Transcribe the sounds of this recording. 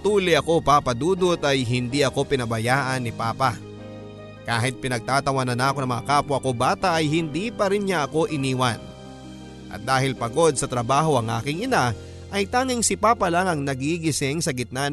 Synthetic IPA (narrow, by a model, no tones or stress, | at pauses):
t̪uːlɪʔɐko̞paːpɐd̪uːd̪ot̪ʔɐjɦɪnd̪iʔɐko̞pɪnɐbɐjaːʔɐnːɪpaːpɐ | kaːɦɪt̪̚pɪnɐɡ̚t̪aːt̪ɐwanɐnaːkonɐŋmɐŋɐ̰kaːpoʔɐko̞baːt̪ɐʔɐjhɪnd̪iːpɐɾɪnɲaʔɐko̞ʔɪniːwɐn | ʔɐ̰t̪̚d̪aːɦɪlpɐɡo̞d̪̚sɐt̪ɾɐbaːɦo̞ʔɐŋʔa̰ːkɪŋɪna | ʔɐjt̪aːŋɪŋsɪpaːpɐlaŋɐŋnɐɡiɡɪsɪŋsɐɡɪt̪̚na